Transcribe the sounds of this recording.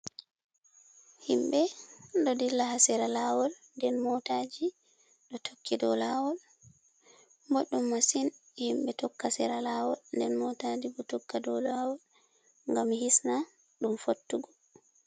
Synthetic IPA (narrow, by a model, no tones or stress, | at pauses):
himbɛɗɔdilːahasɛɾalawɔl | ndɛnmɔtad͡ʒi | ɗɔtʰokːidɔlawɔl | mbɔɗːumːasin | himbɛtɔkːasɛɾalawɔlndɛnmɔtad͡ʒibɔtɔkːadɔlawɔl | ŋɡamhisna | ɗumfotːuɡɔ